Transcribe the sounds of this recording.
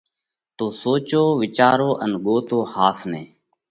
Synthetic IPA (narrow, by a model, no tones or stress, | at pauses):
t̪oːsoːt͡ʃoːʋɪt͡ʃaːɾoːʔənɠoːt̪oːhaːsʰnẽː